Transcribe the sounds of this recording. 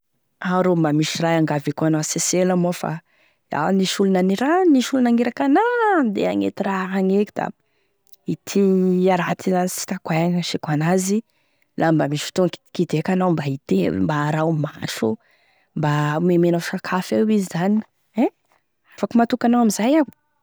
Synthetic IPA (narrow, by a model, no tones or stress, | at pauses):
aɾombamiʃirajaŋɡavekanaaseseləmofa̰ | a̰niʃulunaniɾaniʃulunaŋeɾakanad̪ḛaŋḛt̪iɾaɦaŋeki̥d̪a̰ | it̪ʰiaɾat̪ʰiasi̥t̪akwajaŋəʃekanazi | lʔambamiʃi̥t̪oŋki̥kid̪ekanawmbait̪ḛmbaːɾawmaʃṵ | mbamemenaʃakʰafewizizani | ɛ | afakumat̪ukanawamizajaw